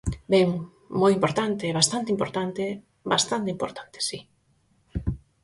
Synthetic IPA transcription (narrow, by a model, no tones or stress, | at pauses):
bɛŋ | mojimpoɾt̪ant̪eeβast̪ant̪eimpoɾt̪ant̪e | bast̪ant̪eimpo̰ɾt̪ʰḁnt̪e̥si